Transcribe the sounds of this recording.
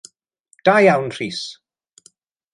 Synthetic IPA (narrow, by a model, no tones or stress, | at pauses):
d̥ajawnr̥iːs